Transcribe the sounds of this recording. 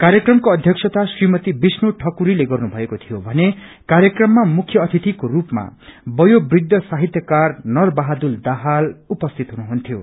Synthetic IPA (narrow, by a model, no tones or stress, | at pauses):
kaɾjʌkrʌmkoʌd̪ʱjʌksʰʌt̪asrimʌt̪ibisnoʈʰʌkuɾileɡʌrnubʱʌekot̪ʰijobʱʌne | kaɾjʌkrʌmːamukʰːjʌːt̪ʰit̪ikorupma̰bʌjobrid̪ʱːʌsaɦit̪jʌkarnʌrbaɦad̪uld̪aɦalupʌst̪ʰit̪ɦunuɦunt̪ʰijo